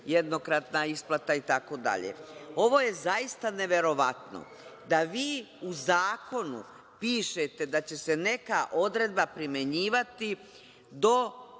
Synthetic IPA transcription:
jed̪no̞kɾat̪naisplˠat̪ait̪ako̞d̪a̰ʎḛo̞ʋo̞je̞zaist̪ane̞ʋe̞ɾo̞ʋat̪no̰ | d̪aʋiː | uzaːko̞nṵ | piːʃet̪e̞d̪at͡ɕe̞se̞ne̞kaʔo̞d̪ɾe̞d̪bapɾimje̞ɲiːʋat̪i | d̪o̞

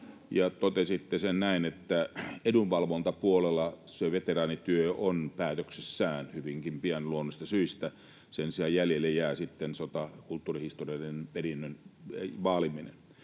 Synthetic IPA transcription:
jɑt̪ot̪esit̪ːesennæinet̪ːæedunʋɑlʋont̪ɑpuolelːˑɑseʋet̪erɑːnit̪yøonpæːt̪øksesːæːnhyʋiŋkimpiænluonːˑosʲt̪ɑsyist̪æ | sensiɑjjæljelːejjæːsit̪ːensot̪ɑkult̪ːuːrihist̪oriɑdenperinːønʋɑːliminḛn

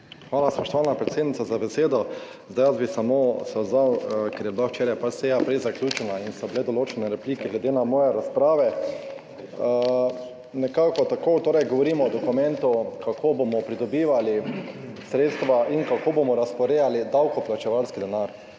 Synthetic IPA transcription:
xʋaːlaspɔʃt̪ɔʋaːlnapɾɛt̪seːd̪nit̪sazabɛseːd̪ɔ | zd̪ajazbisamosɛzawkɛɾjɛblawt͡ʃeːɾajpasɛjapɾɛjzaklʲjuːt͡ʃɛnainst̪abilɛd̪ɔloːt͡ʃɛnɛɾɛpliːkɛɡlɛd̪enamɔːjɛɾaspɾaːʋɛ | nɛkaːkɔt̪akot̪oːɾɛjɡɔʋɔɾiːmɔɔd̪ɔkumɛ̃nt̪ʊkakʰoːbomɔpɾid̪ɔbiːʋalisɾeːt̪st̪ʋaʔiŋkakoːbomɔɾaspɔɾeːjalid̪awkɔplat͡ʃɛʋalskid̪ɛnaɾ

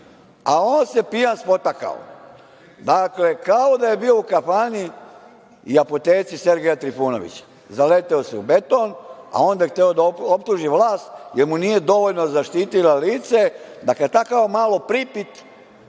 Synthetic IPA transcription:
aoːnse̞pijanspo̞t̪aka̰o̰ | d̪akle̞kao̞d̪aje̞bio̞ukafani | iapot̪e̞ːt̪sise̞ɾɡejat̪ɾifuːno̞̰ʋḭt͡ɕḁ | zalet̪eoseube̞t̪o̞na̰o̞ːnd̪ajext̪eo̞d̪aoop̚t̪uːʒiʋlaːst̪̚jeɾmunije̞d̪o̞ʋo̞ʎno̞zaʃt̪iːt̪ilaliːt̪se̞d̪akat̪akaʋmaːlo̞pɾipit̪

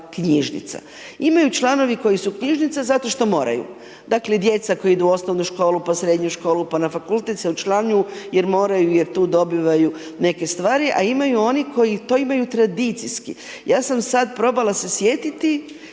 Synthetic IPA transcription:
kɲiʒnḭt̪sa̰ | imajut͡ʃlˠano̞ʋiko̞jisukɲiʒnit̪sazat̪o̞ʃt̪o̞mo̞ːɾa̰jṵ | d̪akle̞d̪je̞t̪sako̞jiid̪uo̞sno̞ʋnuʃko̞ːlupasɾe̞d̪ɲuʃko̞ːlupanafakult̪et̪seut͡ʃlˠanuje̞ɾmo̞ːɾajuje̞ɾt̪uːd̪o̞biʋaju | ne̞ke̞st̪ʋaːɾiʔa̰imajuo̞niko̞jit̪o̞imajut̪ɾad̪it̪siskḭ | jaːsamsad̪̚pɾo̞balasesje̞ːt̪it̪i

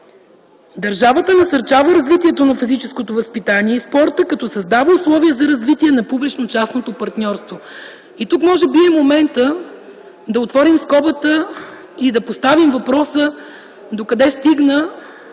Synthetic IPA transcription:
d̪ɐɾʒavət̪ənɐsɐɾt͡ʃavəɾɐzvit̪iɛt̪onɐfizit͡ʃɛskot̪ovəspit̪aniɛispɔɾt̪əkɐt̪ɔsɐzd̪avəuslˠɔviəzɐɾɐzvit̪iɛnɐpublit͡ʃnot͡ʃasnot̪opɐɾt̪nʲɔɾst̪vo | it̪ukmɔʒɛbiɛmomɛnt̪ə | d̪ɐot̪vɔɾimskɔbət̪ə | id̪ɐpost̪avimvɐpɾɔsə | d̪okɐd̪ɛst̪iɡnə

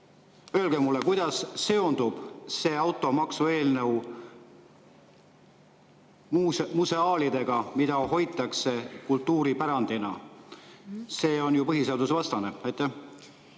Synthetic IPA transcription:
ø̞ːlɡ̥emulːe̞kujd̪̥ɑsːe̞o̞nd̪̥ub̥se̞ːɑwt̪ːˑo̞mɑksue̞ːlnew | muse̞ɑːlid̪̥e̞ɡ̥ɑmid̪̥ɑɦo̞jt̪ːˑɑkse̞kult̪ːuːɾipæɾɑnd̪̥inɑ̰ | se̞ːo̞njupɤɦise̞ɑd̪usevɑst̪ɑne̞ɑjt̪ːˑæh

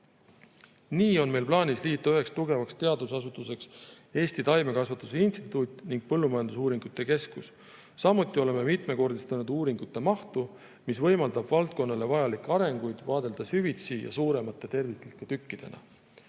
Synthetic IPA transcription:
niːo̞nme̞jlplɑːnʲisliːt̪ːˑuyɦe̞kst̪uɡe̞vɑkst̪e̞ɑd̪usɑsut̪ːuse̞ks | e̞ːst̪it̪ɑjme̞kɑsvɑt̪ːˑuseinst̪i̥t̪ˑut̪ʲːˑniŋɡ̥̚pɤlːumɑjɑnd̪usuːɾiŋɡ̥ut̪ːˑe̞ke̞skusː | ɑmːut̪ːˑio̞le̞me̞mit̪me̞ko̞rd̪ist̪ɑnud̪uːɾiŋɡut̪ːˑe̞mɑht̪u | misvɤ̞jmɑld̪̥ɑbvɑlt̪̚ko̞nːɑle̞vɑjɑlikːˑeɑɾe̞ŋɡ̥ujd̪̥vɑːd̪̥e̞ld̪̥ɑsyvit̪sijɑ̰suːɾe̞mɑt̪ːˑe̞t̪e̞rvit̪ːelt̪k̪ːet̪ykːid̪̥e̞̰nʔɑ̰

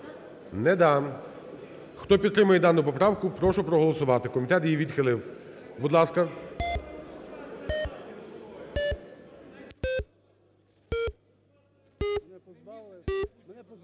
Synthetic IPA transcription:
nɛd̪ɑn | xt̪ɔpʲid̪t̪ːɾɪmɐjɛd̪ɑnːʊpɔpɾɑwkʊpɾɔʃʊpɾɔɦɔlˠɔsʊʋɑt̪ɪkɔmʲit̪ɛt̪jiʋʲid̪xɪlˠɪw | bud̪lˠɑskɐ

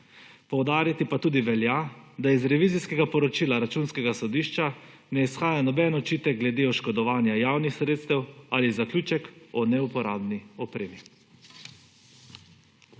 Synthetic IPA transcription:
pɔwd̪aːɾjat̪ipat̪uːd̪iʋɛljad̪aizɾɛʋiːziskɛɡapɔɾɔt͡ʃiːlaɾat͡ʃuːnskɛɡasɔd̪iʃt͡ʃa | nɛisxaːjanɔbɛnɔt͡ʃiːt̪ɛɡ̚ɡlɛd̪eɔʃkɔd̪ɔʋaːnjajaːwnixsɾeːt̪st̪ɛwalizaklʲjuːt͡ʃɛkɔnɛupɔɾaːbniɔpɾeːmi

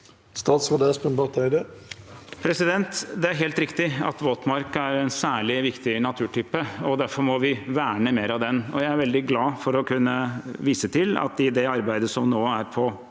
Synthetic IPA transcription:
st̪ɑːt̪sʋɑd̪eːspənpɑʁt̪ʰæɪd̪e | pʰɾɛsɪd̪ɛnt̪d̪ɛæɾɦeːlt̪ɾɪkt̪ɪɑ̰t̪ʋoːt̪mɑɾkæɾɛnsæːɭɪʋɪkt̪ɪnɑt̪ʰʉːʈʰyːpəɔd̪æɾfɔɾmɔʋɪʋæːɳəmeːɾɑʋd̪ɛnɔ̰jæɪæɾʋɛld̪ɪɡlɑːfɔɾɔkʰʉnːəʋiːsət̪ʰɪlɑ̰t̪ɪd̪ɛɑɾbæɪd̪əsɔmnoːæɾpʰɔ

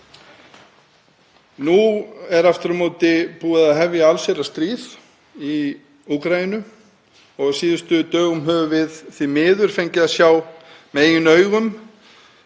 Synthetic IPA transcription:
nuɛɾaft̪ɾmoːt̪ɪpuːaðaðɦɛvjaalserast̪ɾiːð | i | ukɾajinʏ | ɔɣsiːðʏst̪ʏt̪œːɣʏmɦœːvʏvɪðθimɪːðʏɾ̥feɲcɪðaðsjaːw | mɛðeːjʏnœːɥɣʏm

